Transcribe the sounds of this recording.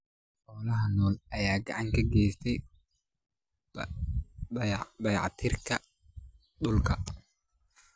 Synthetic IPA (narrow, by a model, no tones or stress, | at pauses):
ħɔːlɐɦɐnɔːlɐjaːɡɐʕɑŋkʰɐɡɛːjst̪ʰɛj | bɐjʕɑ̰t̪ʰɪːrkʰɐ | ɗʊlkʰɐ